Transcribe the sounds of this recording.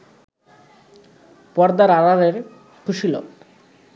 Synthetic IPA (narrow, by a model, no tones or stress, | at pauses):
pɔɾd̪aɾaɾaɾeɾ | kʰuʃilo̰